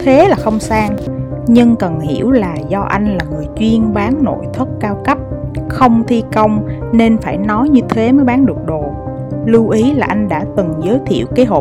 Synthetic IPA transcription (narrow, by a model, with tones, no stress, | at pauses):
t̪ʰe˨˦laː˨˩xə˧wŋ͡msaː˧ŋɲɨ˧ŋkə˨˩nhḭ˧˩əwlaː˨˩zɔ˧ʔa˧jŋ̟laː˨˩ŋɨ˨˩əjt͡ɕwi˧ənɓaː˨˦nno̰˧˨jt̪ʰwə˦˥t̚kaː˧wkə˦˥p̚xə˧wŋ͡mt̪ʰi˧kə˧wŋ͡m | ne˧nfaː˧˩jnɔ˨˦jɲɨ˧t̪ʰe˨˦məː˨˦jɓaː˨˦nɗɨ˨˩ək̚ɗo˨˩ | lu˧ʔi˨˦laː˨˩ʔa˧jŋ̟ɗa̰ː˧˥˩t̪ɨ˨˩ŋzəː˨˦jt̪ʰḭ˧˨əwkaː˨˦ɦo̰˧˨